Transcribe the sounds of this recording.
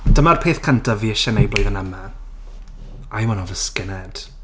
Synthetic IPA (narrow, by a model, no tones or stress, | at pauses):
d̥əmarpʰeːθkʰantʰaviːəʃɛnejblˠɔjðənəma | ajwɔnɔvəskɪnɛd̥